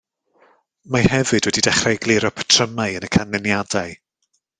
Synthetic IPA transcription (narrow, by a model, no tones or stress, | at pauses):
mahɛvɨd̥wɛdidɛχraɡlˠɪɾɔpʰtʰrəmaɨənəkʰanːɛnjadaɨ